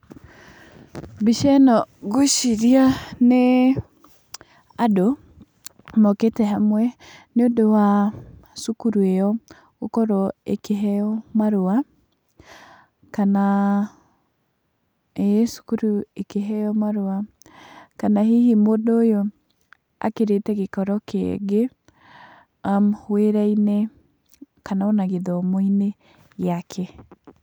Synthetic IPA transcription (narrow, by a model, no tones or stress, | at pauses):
biʃɛnɔɡoʃiɾiane | ado | mɔketɛɦamwɛneodowa | sukuɾuejɔ | okɔɾɔekeɦɛɔmaɾoa | kana | esu̥kuɾuekeɦɛɔmaɾoa | kanaɦihimodoːjo | a̰keɾetɛkekɔɾɔkeɛ̰ɡe | amhweɾainɛ | kanaonaɣeðɔmoine | jakʰɛ